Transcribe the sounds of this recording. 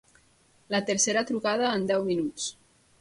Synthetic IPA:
lət̪əɾseɾət̪ɾukað̞əːnd̪ɛwminut͡s

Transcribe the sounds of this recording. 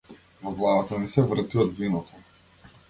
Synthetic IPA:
vɔɡlˠavat̪anisɛvɾ̩t̪iɔd̪vinɔt̪ʰɔ

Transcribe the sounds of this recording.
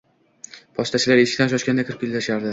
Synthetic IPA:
pʰɒʃt̪at͡ʃʰɪlaɾeʃɪ̥kʲt̪anʃɒʃkʲand̪akʰʲɪɾɪpʲɪlʲd̪aʃaɾd̪ɪ

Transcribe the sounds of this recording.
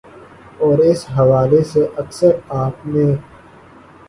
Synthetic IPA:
ɔːɾɪsɦɐʋaːleseʔɐksəɾaːp̚nẽː

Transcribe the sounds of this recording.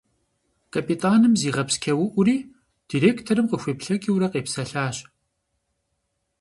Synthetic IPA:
kʰʼɐpʼitʼaːnɨmziːʁɐpskʲʰɐwʊʔʷʊɾiː | d̥iːɾeːktʰoɾɨmqəxʷeːpɬɐkʲʼiwɾɐqeːpsɐɬaːɕ

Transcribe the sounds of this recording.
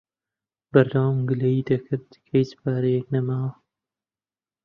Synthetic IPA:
bɐɾd̪awmɡɨlɐjid̪ɐkʰɨɾd̪kʰɐjsɨ̥pʰaːɾɐjɛk̚nɐmaːwɐ

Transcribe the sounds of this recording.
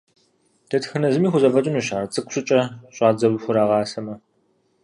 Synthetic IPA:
d̥ɐtʰxɨnɐzɨmiːxʷʊzɐvɐtʼʊnuːɕaːrt͡sʼɨkʷʼɕʷʊt͡ʃʼɐɕʼɑːd͡zɐwʊxʷʊɾaːʁɑːsɐmɐ

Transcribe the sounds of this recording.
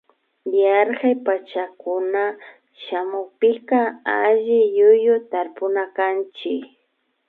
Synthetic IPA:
jaɾɢajpat͡ʃakʊna | ʃamʊkpɪqɑaʒɪjʊjʊt̪aɾpʊnakant͡ʃɪk

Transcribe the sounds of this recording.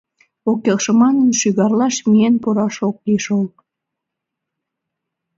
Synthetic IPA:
okjɑkʃəmɑnənʃyɣɑrlɑʃmienpuɾɑʃok̚liʃolˠ

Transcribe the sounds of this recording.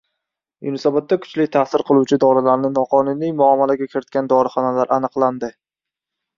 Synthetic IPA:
jʊnɪsabat̪ːakʰʊ̥t͡ʃlɪk̚ʲt̪ʰasɪɾqʰɨlˠuwt͡ʃʰɪd̪ɒɾɪlaɾnɪnɒqʰɒnunijmʊamːalaɡʲakʲʰɪɾɪt̪̚kʲand̪ɒɾɪχɒnalaɾʔanɨqlˠand̪ɪ

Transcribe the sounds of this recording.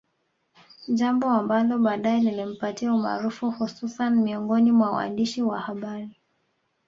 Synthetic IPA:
ʄambɔambalɔɓaːɗajɛlilim̩patiauma̰ːɾufuhususanimiɔŋɡɔnimwawa̰ndiʃiwahaɓaɾi

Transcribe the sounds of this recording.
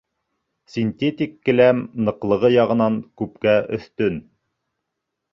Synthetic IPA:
sʲinʲt̪ʲet̪ʲikːɘ̆læmnɤ̆qlˠɤ̆ʁɤjɑʁɤ̆nɑŋkʉp̚kæʔɵ̰̆θt̪ɵn

